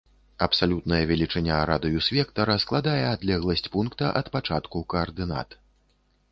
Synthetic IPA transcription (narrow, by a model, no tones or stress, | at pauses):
ɐpsalʲut̪̚nɐjɐvʲɛlʲit͡ʂɨnʲːaɾad̪ɨjusʲvʲɛkt̪ɐɾɐsklˠad̪ajɛad̪lʲɛɣlˠɐsʲt͡sʲpunkt̪ɐʔɐt̪pat͡ʂat̪kukɐːrd̪ɨna̰t̪